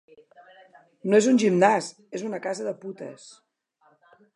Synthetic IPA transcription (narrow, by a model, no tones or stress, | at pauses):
noezunʒimnas | ezunəkazəðəput̪ə̰s